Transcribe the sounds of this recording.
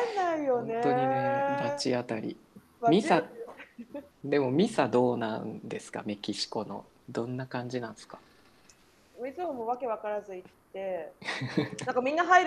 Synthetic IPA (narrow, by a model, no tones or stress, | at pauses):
naijonet̪oɲiad̪at͡ɕiat̪aɾʲḭ | mʲisa | d̪e̞mo̞mʲisad̪o̞ːnã̰nd̪e̞sɨ̥ka̰me̞kʲiɕi̥ko̞no̞̰ | d̪õ̞nːakãɲ̟d͡ʑinãñde̥sɨ̥kḁ | moit͡sɨmomoβake̞βakaɾazɨit̪ːe̞ | aŋkamʲĩnːaɦaiɾ